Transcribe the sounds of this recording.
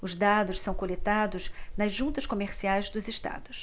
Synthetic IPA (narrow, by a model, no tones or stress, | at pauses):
ʊzd̪ad̪ʊssɐ̃w̃kolet̪ad̪ʊznɐzʒũnt̪ɐʃkomeɾsiajzd̪ʊzɪʃt̪a̰d̪ʊs